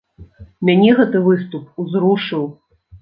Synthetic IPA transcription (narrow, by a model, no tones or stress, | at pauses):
mʲanʲɛɣɛt̪ɨvɨst̪upuzɾuʂɨw